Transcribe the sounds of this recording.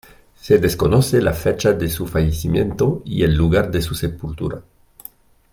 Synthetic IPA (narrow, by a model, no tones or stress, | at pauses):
seðeskonosela̰fet͡ʃaðesufajesimjent̪oḭelːuɣaɾðesusepult̪ṵɾa